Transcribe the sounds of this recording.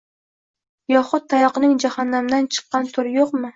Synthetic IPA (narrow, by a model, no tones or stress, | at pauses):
jɒχʊt̪̚ʰːajɒqɨnɪŋd͡ʒahanːamd̪ant͡ʃʰɨ̥qːɑnt̪ʰʊɾjoqmɪ